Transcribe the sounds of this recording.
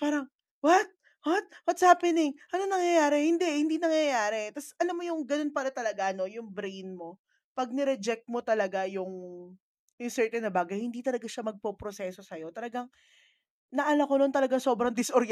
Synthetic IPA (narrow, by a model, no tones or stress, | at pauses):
paːɾɐŋ | wɐt̪̚ | wɐt̪̚wɐt̪saːpɪnɪŋʔɐnonɐŋjɐjaːɾɛhɪnd̪ɛhɪnd̪iːnɐŋjɐjaːɾɛt̪ɐsʔɐlamːojʊŋɡɐno̞npɐlɐt̪ɐlɐɡaʔɐno̞jʊŋbɾejnmo̞ | pɐɡ̚nɛɾɛd͡ʒɛk̚t̪̚mo̞t̪ɐlɐɡajʊŋ | jʊŋsɛɹt̪ɛnːɐbaːɡɐjhɪnd̪iːt̪ɐlɐɡaʃamɐɡ̚popɾosɛːso̞sɐjo̞t̪ɐlɐɡaŋ | nɐʔɐlɐkonont̪ɐlɐɡaŋso̞ːbɾɐŋd̪ɪsʔoɾj